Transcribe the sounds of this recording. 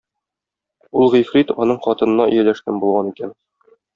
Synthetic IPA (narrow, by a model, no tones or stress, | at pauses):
ulˠʁifɾit̪ɒnɤɴχɒt̪ɤ̆nɤ̆nɑʔɵ̰̆jælæʃt̪ænbulˠʁɑnikæn